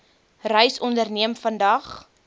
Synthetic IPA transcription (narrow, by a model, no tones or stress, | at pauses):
rəjsɔndərniəmfəndɐχ